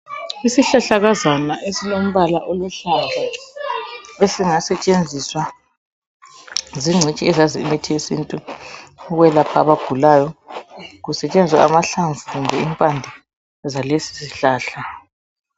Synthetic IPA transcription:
isiɬaɬaɣazanaʔesilom̩βalaʔoluɬand͡ʒʱa | esiŋasɛt͡ʃʼend͡zʱiswa | ziŋ͡ǀʱit͡ʃʼiɛzaziːmetʰiesintʼu | uɣwɛlapʰaβaɡ̥ʱulaːjɔ | ɣusɛt͡ʃʼend͡zʱiswaamaɬaɱvuɣumbʱɛimpʼandʱi | zalesi̥siɬaːɬa

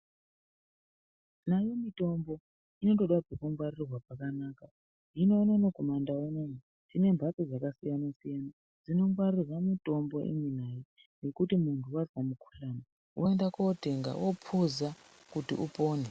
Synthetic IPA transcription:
najomito̞mbo̞ | ino̞to̞ɗwad͡zekuŋɡwarirwapakanaːka | ino̞ːnanokomandaonani | tine̞mbʱasid͡zakasijanasijana | d͡zino̞ŋɡwarirwamitʼo̞mbo̞ʔḭminaje | je̞kutimuntʰuwazamukʰu̥ɬaːna | wʔoendakote̞ŋɡa̰wʔopʰuza | kutiʔupo̞ːne

